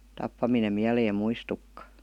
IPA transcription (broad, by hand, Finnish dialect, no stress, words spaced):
tɑpːɑminem miæleːm muistukːɑ